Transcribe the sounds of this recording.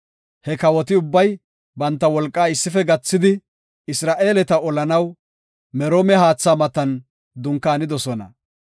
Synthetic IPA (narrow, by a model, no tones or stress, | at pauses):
hɛkɐwɔt̪ɪʊbːɐj | bɐnt̪ːɐwɔlkʼːaːɪsːɪfɛɡɐt͡sːɪd̪ɪ | ɪsɾaːʔe̞ːlɛt̪ɐɔlɐnɐw | mɛɾoːmɛhaːt͡sːaːmɐt̪ɐn | d̪ʊŋkːaːnɪd̪ɔsɔnɐ̰